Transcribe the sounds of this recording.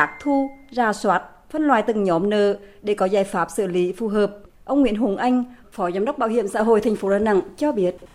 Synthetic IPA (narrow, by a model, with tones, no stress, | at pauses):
aː˦˥k̚t̪ʰu˧zaː˧˩swaː˦˥t̚ | fə˧nlwaː˨˩jt̪ɨ˨˩ŋɲɔ˨˦mnə̰ː˧˨ɗe˧˩kɔ˨˦zaː˧˩jfaː˨˦˥p̚sɨ̰ː˧˩li˨˦fu˨˩ɦəː˨˩p̚ | ʔə˧wŋ͡mŋwḭ˧˨ənɦu˨˩˦ŋʔa˧jŋ̟ | fɔ˨˦zaː˨˦mɗə˦˥wk͡p̚ɓaː˧wɦḭ˧˨əmsa̰ː˧˥˨ɦo̰˧˨jt̪ʰa˨˩jŋ̟fo˨˦ɗaː˧˨na̰˧˨ŋt͡ɕɔ˧ɓi˦˥ət̚